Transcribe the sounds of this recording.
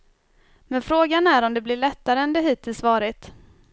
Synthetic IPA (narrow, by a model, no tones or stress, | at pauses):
mɛnfɾoːɡanæɾɔmd̪ɛblɪɭɛt̪ːaɾəɛnd̪ɛɦiːt̪ʰːɪlsvɑːɾɪt̪